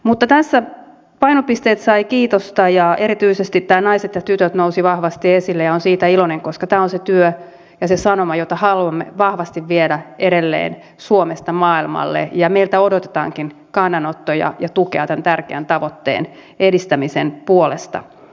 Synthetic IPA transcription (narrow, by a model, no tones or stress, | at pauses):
mut̪ːɑt̪æsːæ | pɑinopist̪eːt̪sɑikiːt̪ost̪ɑjɑe̞ɾit̪yisest̪it̪t̪ːæːnɑiset̪jɑt̪yt̪øt̪nousiʋɑhʋɑst̪iesilːejɑonsiːt̪æiloneŋkoskɑt̪æːonset̪yø | jɑsesɑnomɑjot̪ɑhɑluɑmːeʋɑhʋɑst̪iʋʋiedæeɾelːḛːn | suomest̪ɑmɑːilmɑ̰lːḛjɑmeilt̪æodot̪e̥t̪ɑ̰ːŋkin | kɑnːɑnot̪ːojɑ̰jɑt̪ukeɑt̪ænt̪ærkeænt̪ɑʋot̪ːḛːn | edist̪æmisenpuolest̪ɑ̰